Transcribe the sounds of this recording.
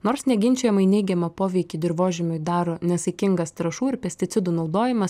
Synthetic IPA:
noːɾsnʲɛɡʲɪnʲt͡ʃʲɛjɛmɐɪnʲɛɪɡʲɛmɐpoːʋʲɛɪkʲiːd̪ʲɪɾʋoːʒʲɪmʲʊɪd̪ɑːɾoːnʲɛsɐɪkʲɪŋɡɐst̪ɾɐʃuːɪɾpʲɛsʲt̪ʲɪt̪sʲɪd̪uːnɒʊd̪oːjɪmɐs

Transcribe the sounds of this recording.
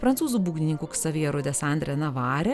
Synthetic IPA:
pɾɐntsuːzubuːɡʲnʲɪnʲɪŋkuːksɐʋʲiːɾʊd̪ʲɛsɑnʲd̪ʲɾʲɛnɐʋɑːɾʲɛ

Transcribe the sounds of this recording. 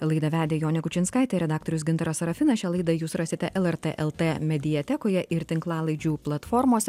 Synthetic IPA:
lˠɐɪd̪ɐʋʲæːd̪ʲeːjoːnʲɛkʊt͡ʃʲɪnskɐˑɪt̪ʲɛɾʲɛd̪ɑːk̚t̪ɔɾʲʊs̬ɡʲɪnt̪ɐɾɐsɐɾɐfʲɪnɐʃʲɛlˠɐɪd̪ɐjuːsɾɑːsʲɪt̪ʲɛʔɛlˠɛɾt̪ɛʔɛlˠt̪emʲɛd̪ʲɪjɛt̪ʲɛkoːjɛʔɪɾt̪ʲɪŋklˠɑːlˠɐɪd͡ʒʲuːplˠɐt̪fɔɾmoːsʲɛ

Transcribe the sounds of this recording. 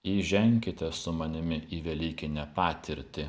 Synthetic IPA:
iːʒʲɛŋʲkʲɪt̪ʲɛsʊmɐnʲɪmʲɪiːʋʲɛlʲiːkʲɪnʲɛpɑːt̪ʲɪɾʲt̪ʲɪ

